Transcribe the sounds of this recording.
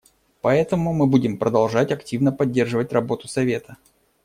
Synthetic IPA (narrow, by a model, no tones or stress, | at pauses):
pɐɛt̪əmʊmɨbudʲɪmpɾəd̪ɐlˠʐatʲɐktʲivnəpɐdʲːe̞rʐɨvətʲrɐbo̞t̪ʊsɐvʲe̞t̪ə